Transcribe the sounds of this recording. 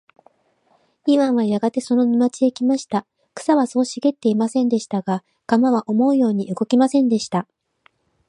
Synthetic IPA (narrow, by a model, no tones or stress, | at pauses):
iβãɰ̃βajaɡat̪e̞so̞no̞nimat͡ɕiekʲimaɕi̥t̪a | kɯ̟̥saβaso̞ːɕiɡe̞t̪ːe̞imasẽ̞nd̪e̞ɕi̥t̪aɡa | ɡ̥amaβaʔo̞mo̞ɯ̟jo̞ːɲ̟iʔɯ̟ɡo̞kʲimasẽ̞nd̪e̞ɕi̥t̪a